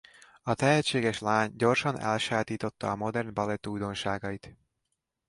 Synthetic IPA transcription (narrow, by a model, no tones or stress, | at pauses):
ɒt̪ɛɦɛt͡ʃːeːɡɛʃlaːɲɟo̞rʃɒnɛ̰lʃaːt̪iːt̪o̞t̪ːɒ̰ːmo̞d̪ɛrnbɒlɛt̪uːjd̪o̞nʃaːɡɒit̪